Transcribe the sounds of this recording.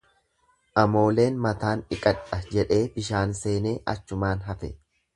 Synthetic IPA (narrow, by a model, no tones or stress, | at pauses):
ʔɐmo̞ːle̞ːnmɐt̪aːnɪkʼɐᶑɐd͡ʒɛᶑe̞ːbɪʃaːnse̞ːne̞ːʔɐ̰t͡ʃːʊmaːnɦɐfɛ